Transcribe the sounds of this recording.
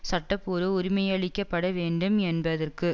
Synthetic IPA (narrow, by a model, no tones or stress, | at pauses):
sɐʈːɐpːuːɾɯʊɾɪmɐjɐɭɪkːɐpːɐɽɐʋeːɳɖɯmɛnbɐðɐrkɯ